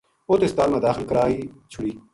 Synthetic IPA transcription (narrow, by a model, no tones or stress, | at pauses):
oːt̪eːst̪aːlmãːd̪aːxɪlkəɾaːiːt͡ʃʰʊɽiː